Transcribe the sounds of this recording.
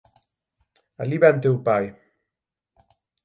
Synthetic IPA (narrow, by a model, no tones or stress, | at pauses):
a̰liβɛnt̪ewpaj